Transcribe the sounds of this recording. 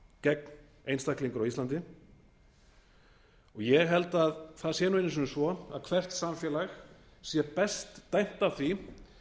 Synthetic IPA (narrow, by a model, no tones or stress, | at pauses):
cɛkn | ejnst̪akliŋkʏɾawislant̪ɪ | ɔɣjɛɣɦɛlt̪aðθaðsjɛːnʏejnːɪs̬ʏnʏsvɔaðkʰvɛr̥t̪samfjɛlax | sjɛpɛst̪ːajn̥t̪awθvi